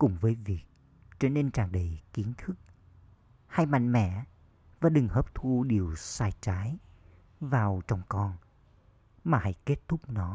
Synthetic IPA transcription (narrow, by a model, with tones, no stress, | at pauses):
kʊ̰˨˧˩ŋ͡mvəː˨˦jvi˨˩ək̚ | t͡ɕɔ˧ne˧nt͡ɕaː˨˩ŋɗə˧˩jki˨˦ənt̪ʰɨ˦˥k̚ | ha˧jma̰˧˨ŋmɛ̰˧˩˨ | vaː˨˩ɗɨ˨˩ŋhəː˨˦˥p̚t̪ʰu˧ɗi˨˩əwsaː˧jt͡ɕaː˨˦j | vaː˨˩wt͡ɕɔ˧wŋ͡mkɔ˧n | maː˨˩ha̰˧˥jke˦˥t̚t̪ʰʊ˦˥k͡p̚nɔ˨˦